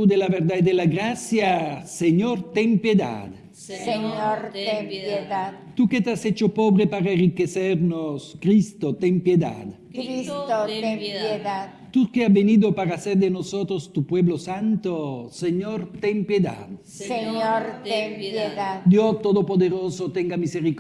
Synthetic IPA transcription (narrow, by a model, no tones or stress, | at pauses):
ud̪elaveɾd̪ad̪elaɡɾasjaseɲoɾt̪empjed̪a̰d̪ | seɲoɾt̪epjed̪at̪uket̪aset͡ʃopobɾepaɾaẽnrikeseɾnoskɾist̪ot̪empjed̪a̰d̪ | kɾist̪ot̪empjeða | t̪ukeabenid̪opaɾaseɾd̪enosot̪ɾost̪upwɛblosant̪oseɲoɾt̪empjed̪a̰d̪ | seɲoɾt̪epjeðad̪jost̪od̪opod̪eɾosot̪eŋɡamiseɾik